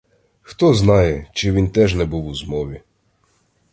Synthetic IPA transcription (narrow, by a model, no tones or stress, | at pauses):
xt̪ɔznɑjɛt͡ʃɪʋʲint̪ɛʒnɛbuwʊzmɔʋʲi